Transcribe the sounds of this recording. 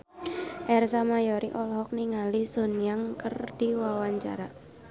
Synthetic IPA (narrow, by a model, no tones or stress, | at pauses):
ʔɛrsamajɔɾiʔɔlɦɔk̚niŋalisonjaŋkərd̥iwawaɲt͡ʃa̰ɾa